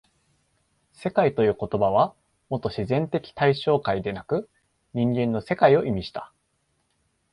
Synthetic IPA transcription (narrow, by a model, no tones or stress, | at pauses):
se̞kait̪o̞jɯ̟ːko̞t̪o̞baβ̞a | mo̞t̪ːo̞ɕizẽ̞nt̪e̞kʲi̥t̪aiɕo̞ːkaid̪e̞nakɯ̟ | ɲ̟ĩŋɡẽ̞nːo̞se̞kaio̞ʔimʲiɕi̥t̪ḁ